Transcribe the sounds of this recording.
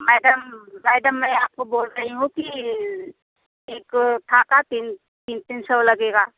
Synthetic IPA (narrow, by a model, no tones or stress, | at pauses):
mɛːɖəmːɛːɖəmːɛ̃aːp̚koboːlɾɐɦiɦũki | eːkʈʰaːkat̪iːn | t̪iːnt̪iːnsəʋlɐɡeːɡaː